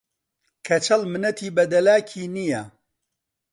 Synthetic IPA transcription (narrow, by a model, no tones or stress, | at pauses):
kʰɐt͡ʃʰɐlmɨnɐt̪ʰiːbɐd̪ɐlaːkʰiːnijɐ